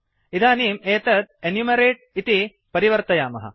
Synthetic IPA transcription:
id̪aːniːmeːt̪ɐt̪̚enjumɐɾeːʈ̚it̪i | pɐɾiʋɐɾt̪ɐjaːmɐɦɐ̰

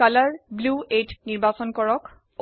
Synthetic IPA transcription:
alaɹbluetniɹbasɔnkɔɹɔk

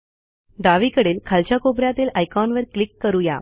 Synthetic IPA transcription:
ɖaʋikəɽeːlkʰalt͡ɕjakobɾjat̪iːlajkɔnʋəɾklikːəɾuja̰

